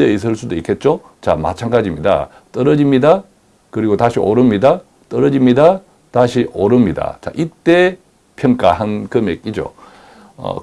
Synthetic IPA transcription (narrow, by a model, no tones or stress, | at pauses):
eis̬ʰɯɭs͈udoikʰe̞t̚t͡ɕ͈o | t͡ɕa̰ma̰t͡ɕʰanɡad͡ʑimɲida̰ | t͈ʌɾʌd͡ʑimɲida | kɯɾiɡotaɕʰiʔoɾɯmɲida | t͈ʌɾʌd͡ʑimɲida | taɕʰiʔoɾɯmɲida̰t͡ɕa̰ʔit͈e̞ | pʰjʌŋk͈aɦankɯmek͈id͡ʑo̰ | ʌ̰